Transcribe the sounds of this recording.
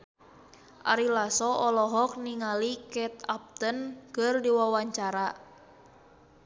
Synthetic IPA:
ʔa̰ɾilasɔɔlɔɦɔk̚niŋalikɛt̪̚ap̚t̪ənkɨrdiwawaɲt͡ʃaɾa

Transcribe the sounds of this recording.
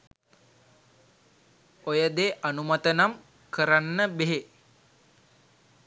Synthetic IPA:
ojəd̪eʔanumat̪ənam | kəɾanːəbeɦe

